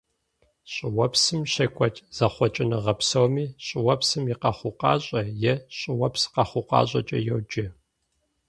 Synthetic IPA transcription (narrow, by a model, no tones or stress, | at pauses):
ɕʼɪwɐpsɨmɕɐkʷʰʼɔt͡ʃʼz̥ɐχʷɔt͡ʃʼɪnɨʁɐpsɐwmiːɕʼɪwɐpsɨmiqɐχʷʊqɑ̰ːɕʼɐjɛɕʼɪwɐpsqɑχʷʊqɑ̰ːɕʼɐt͡ʃʼɐ̰jowd͡ʒɪ